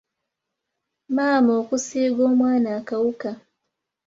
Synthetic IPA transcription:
maːmoːkusiːɡoːmwaːnaːkawuka

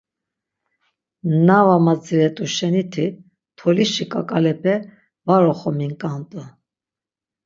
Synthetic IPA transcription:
navamad͡ziɾɛt̪ʼuʃɛnit̪ʰi | t̪ʰɔliʃikʼakʼalɛpʰɛ | vaɾɔχɔmiŋkʼant̪ʼə

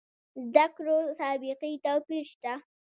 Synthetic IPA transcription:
zd̪akɾosɑbɪqit̪awpiɾʃt̪a

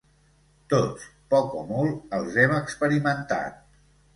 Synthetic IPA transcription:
t̪ot͡spɔkɔmɔlˠəlˠzɛməkspəɾimənt̪a̰t̪̚

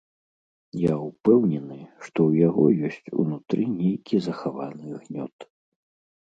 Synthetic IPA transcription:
jaupɛwnʲɛnɨʂt̪ɔwjaɣɔ̰jɔsʲt͡sʲṵnut̪ɾɨnʲejkʲizɐxavanɨɣnʲɔ̰t̪

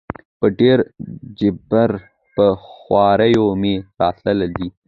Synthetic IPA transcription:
pəɖeɾd͡ʒɪbaɾ | pəxwɑːɾəjomeɾɑːt̪ləlad̪i

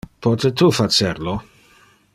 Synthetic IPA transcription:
pʰɔt̪et̪ufat͡ʃerlo

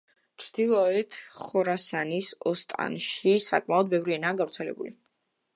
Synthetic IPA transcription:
t͡ʃʰd̪̥ilˠɔɛt̪ʰχɔɾasanisɔst̪ʼa̰nʃisa̰kʼmaɔd̪̚bɛvɾiɛnaːɡavɾt̪sʰɛlɛ̰bṵli

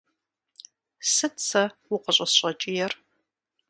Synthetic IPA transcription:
sɨt͡sʰɐwʊqʷʼəɕʷʼɐsɕʼɐt͡ʃʼɪjɛr

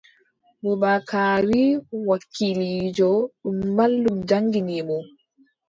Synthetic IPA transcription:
bɔbakaːwiwakʰːilid͡ʒɔɗumːalːumd͡ʒaŋɡinibɔ

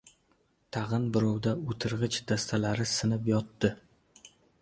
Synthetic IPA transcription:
t̪ʰɑʁɨnbɪɾɒwd̪aot̪ʰɪɾʁɨt͡ʃd̪̥ast̪ʰalaɾɪsɪnɪpjɒt̪ːɪ

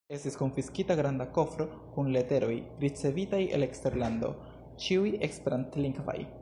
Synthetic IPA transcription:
e̞stisko̞nfiskitaɡɾandako̞fɾo̞ | kunle̞te̞ɾo̞jɾit͡se̞vitaje̞̰le̞kste̞ɾlando̞̰ | t͡ʃiuje̞kspeɾantliŋɡva̰j

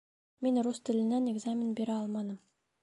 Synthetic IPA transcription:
menrust̪ɘ̆lɘ̆næneɡzamʲɪnbeɾæɑlˠmɑnɤm

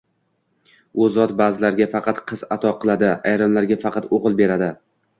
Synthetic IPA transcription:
ɵzɒt̪bazɪlaɾɡʲafɑqʰɑt̪qʰɨzat̪ʰɒqʰɨlˠad̪ɪajɾɨmlaɾɡʲafɑqɑt̪oʁɨlˠbe̞ɾad̪ɪ

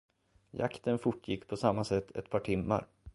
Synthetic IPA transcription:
ja̰kt̪ənfʊʈːjɪkːpʰɔsamːasɛt̪ʰːɛ̰t̪pʰɑːʈʰɪmːa̰ɾ

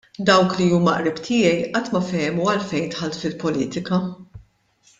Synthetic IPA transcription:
d̪ɐwkliuːmɐʔɾɪbt̪ʰɪːjɛjʔɐt̪ːmɐfɛjmuɐlfɛjnt̪ħɐlt̪fɪlpɔlḭːt̪ɪkɐ

